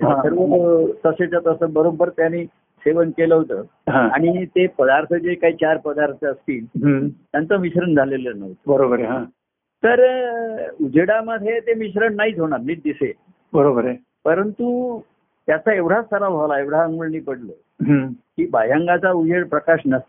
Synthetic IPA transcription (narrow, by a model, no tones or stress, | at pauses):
aɦãsəɾʋət̪əset͡ɕat̪əsəbəɾobəɾt̪jani | seʋənkeləɦot̪ə | ɦãaɽ̃it̪epəd̪aɾt̪ʰəd͡ʑekaɦiːt͡ɕaɾpəd̪aɾt̪ʰəəst̪iːlɦt̪jant͡səmiɕɾəɳd͡zʱalelənəɦt̪əbəɾobəɾeɦã | t̪əɾ | ud͡ʑʱeɽaməd̪ʱet̪emiɕɾəɳːaɦiːd͡z̪ʱoɽaɾmiːʈ̪̚d̪ise | bəɾobəɾe | pəɾənt̪u | t̪jat͡saeʋɽ̤ast̪ʰəɾabʱaʋlaeʋɽ̤aəŋɡuɭnipəɽlə | ɦəkiːbajaŋɡat͡saud͡ʑʱeɽpɾəkaɕnəst̪